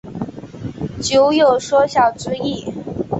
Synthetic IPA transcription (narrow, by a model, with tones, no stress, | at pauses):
t͡ɕjo˧˥ʊjo˥˩ʊʂwɔ˥ɕjɑ˥˩t͡s̩˥i˥˩